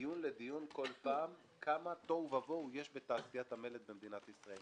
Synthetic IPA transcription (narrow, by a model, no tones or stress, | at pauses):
junle̞d̪ijunko̞lpaːm | kʰamat̪o̞vavoje̞ʃbet̪aːsijat̪hame̞let̪bemd̪inat̪isʁael